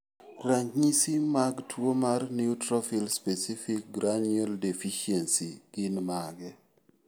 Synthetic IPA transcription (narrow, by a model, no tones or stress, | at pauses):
raɲɲisimaɡtʰwomarniutɾɔfilspesifik̚ɡɾanɛldefiʃensiɡ̥ɪnmaɡɛ